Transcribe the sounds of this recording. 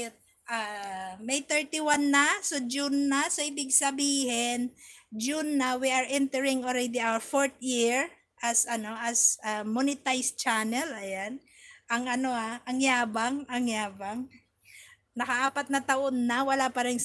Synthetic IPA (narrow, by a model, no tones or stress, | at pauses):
ʔamɛjt̪ɛɹt̪iwanːɐsod͡ʒunːɐsoʔɪbɪɡ̚sɐbiːhɪnd͡ʒunːɐwiʔɐɹʔɛnt̪ɛɹɪŋolɾɛd̪iawəɹfoɹt̪̚jiɹ | ʔɐsɐno̞ʔɐsʔamonɪt̪ajst͡ʃanɛlɐjan | ʔɐŋɐno̞haʔɐŋjaːbaŋʔɐŋjaːbaŋ | nɐkɐʔaːpɐt̪̚nɐt̪ɐʔonːɐwɐlapɐɾɛŋ